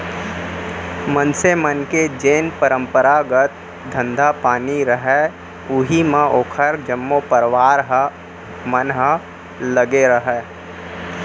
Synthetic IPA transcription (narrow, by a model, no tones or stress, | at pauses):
mənsemənked͡ʒeːnpəɾə̃mpəɾaːɡət̪̚ | d̪ʱə̃nd̪ʱapaːniɾəɦɛ | ʊɦimãʔoːkʰəɾd͡ʒəmːopəɾʋaːɾɦ | mənɦə | ləɡeɾəɦɛː